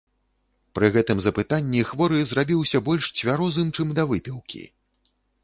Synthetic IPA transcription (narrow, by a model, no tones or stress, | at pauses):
pɾɨɣɛt̪ɨmzɐpɨt̪anʲːixvɔɾɨzrabʲiwsʲɐbɔlʲʂt͡sʲvʲaɾɔzɨmt͡ʂɨmd̪ɐvɨpʲiwkʲḭ